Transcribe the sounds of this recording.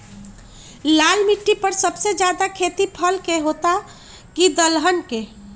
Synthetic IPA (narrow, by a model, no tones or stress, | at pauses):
laːlmiʈːipəɾsəbsed͡ʒjaːd̪akʰeːt̪ipʰəlkeɦoːt̪a | kid̪əlɦənke